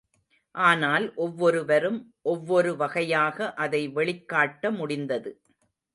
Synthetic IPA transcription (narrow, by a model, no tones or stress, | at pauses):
ʔaːnaːlʔɔʋːɔɾɯʋɐɾɯmʔɔʋːɔɾɯʋɐɣɐjaːɣɐʔɐðɐɪʋɛɭɪkːaːʈːɐmʊɽɪnd̪ɐðɯ